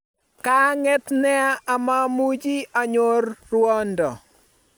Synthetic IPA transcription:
ka˦ŋɛ˦t̪nɛ˦a˦ʔa˨ma˦mu˦d͡ʒi˦ʔa˨ɲo˦rːwɔ˦ndɔ˨

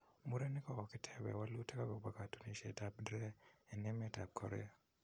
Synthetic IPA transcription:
mu˦ɾɛ˦nɪ˦kɔ˦kɔ˨kɪ˦tʰɛbɛ̰˨wa˦lu˦tɛ˦ka˦ɡɔ˨ɡ͡ba˨ka˨tu˨ni˨ʃɛ̰˨ta˦b̚dɾɛ˦ɛ˨nɛ˦mɛ˦ta˨b̚kʰɔ̰˨ɾɛ̰˦a˨

